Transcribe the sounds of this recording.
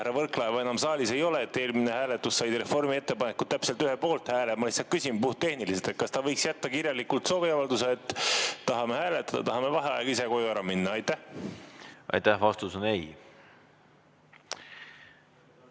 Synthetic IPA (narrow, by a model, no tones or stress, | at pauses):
æɾɑvɤrklɑevɑe̞nɑmsɑːlʲise̞jo̞leːt̪ːe̞ːlmine̞hæːle̞t̪ːusːɑjd̪ɾe̞fo̞rmie̞t̪ːe̞pɑnekːˑud̪̥t̪ːæpse̞lt̪yɦepo̞ːlt̪hæːlemɑlisːɑkysʲimpuht̪ːe̞hniliset̪et̪̚kɑst̪ɑvɤ̞jksjæt̪ːɑkirjɑlikult̪so̞ːviɑvɑld̪us̬eet̪ːt̪ːɑɦɑmehæːle̞t̪ːˑɑd̪ɑ̰t̪ɑɦɑme̞vɑɦeɑ̰jeɡ̥ise̞ko̞juæɾɑminːɑɑjt̪ːæh | ɑ̰jt̪æhvɑst̪usonej